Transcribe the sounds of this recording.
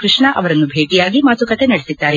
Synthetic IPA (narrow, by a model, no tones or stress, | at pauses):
kɾuʂɳɐʔɐʋɐɾɐnːubʱeːʈijaːɡimaːt̪ʰukɐt̪ʰenɐɽesid̪ːaːɾe